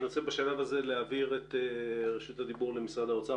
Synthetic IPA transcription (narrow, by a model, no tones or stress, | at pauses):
not͡sebaʃalavaze̞leaviʁet̪eʁeʃut̪had̪ibuʁlemisʁad̪aot͡sa